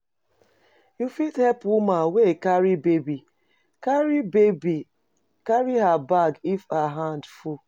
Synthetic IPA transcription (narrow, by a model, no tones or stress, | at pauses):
jufidhɛpwumawekaɾibebi | kaɾibebi | kaɾiɦabaɡifaɦandfu